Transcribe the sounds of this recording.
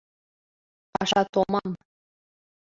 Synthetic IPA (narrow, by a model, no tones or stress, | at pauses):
pɑʃɑt̪omɑm